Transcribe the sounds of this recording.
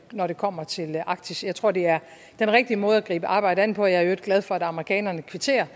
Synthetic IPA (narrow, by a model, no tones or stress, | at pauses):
nɒɾ̥e̝kʰɒ̽m̰ɐt͡sʰe̝lɑ̈ɡ̥̚d̥ʰisjɑ̈ɪt͡sʰʁo̝ɐ̰d̥e̝æɐ | d̥enʁɛɡ̥̚d̥iəmɔ̽ːð̞̩ˠæɡ̥ʁḭːb̥əʔɑ̈ːb̥ɑ̈ɪ̰ɾ̥əæn̰̩pʰɒ̽jɑ̈æɐjoeɡ̥læð̞ˠfɒ̽æd̥ɑ̈məʁikʰɛ̰ːnɐnəkʰʋe̝t͡sʰe̝̰ːɐ